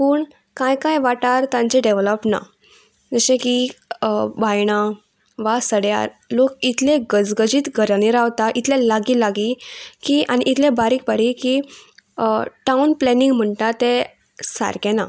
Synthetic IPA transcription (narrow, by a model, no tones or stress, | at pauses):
puːɳ | kãjkajʋaʈaɾt̪ãɲt͡ɕẽɖeʋləpna̰ | d͡zəɕẽki | bajɽ̃a | ʋasəɽja̰ɾ | lokit̪ʰlẽɡəd͡zɡəd͡ʑiːt̪ɡʱəɾəɽ̃iɾaʋt̪aʔit̪lelaɡiːlaɡikiaɽ̃iʔit̪ʰlẽbaɾiːk̚baɾiki | ʈaunplɛniŋɡm̤əɳʈat̪e | sa̰ɾkẽna